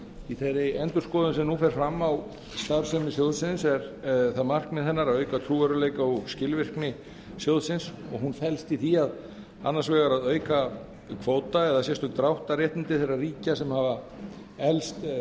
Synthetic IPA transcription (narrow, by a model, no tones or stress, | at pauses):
iθejɾɪɛnt̪ʏɾ̥skɔːðʏnsɛmnufɛɾ̥fɾamːaw | st̪aɾ̥sɛmɪsjowðsɪnsɛɾθaðmar̥kmɛðɛnːaɾaðœːɥkat̪ʰɾuːœɾʏleːjkauscɪlvɪr̥knɪ | sjowðsɪnsɔ̰ɣɦunfɛlst̪iθiað | a̰nːaɾ̥svɛːɣaɾaðœːɥka | kʰvoːwt̪aɛðasjɛst̪ʏt̪ɾawht̪aɾjɛht̪nɪnt̪ɪθejrːariːcasɛmhaːva | ɛlst̪